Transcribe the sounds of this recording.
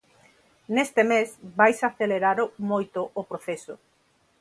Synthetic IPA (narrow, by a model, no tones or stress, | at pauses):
nest̪emesbajsaθeleɾaɾʊmojt̪ʊʔʊpɾoθesʊ